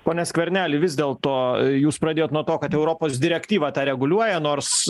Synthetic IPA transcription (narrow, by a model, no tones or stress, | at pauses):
poːnʲɛsʲkʋʲɛɾʲnʲæːlʲɪʋʲɪzd̪ʲeːlˠt̪oːjuːspɾɐd̪ʲeːjoːt̪nuɔt̪oːkɐt̪ɛʊɾoːpoːsd̪ʲɪɾʲɛkt̪ʲiːʋɑt̪ɑːɾʲɛɡʊlʲuɔjɛnoːɾs